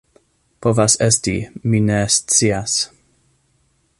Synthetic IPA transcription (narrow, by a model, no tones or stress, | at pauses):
pʰɔvasɛstiminɛst͡sias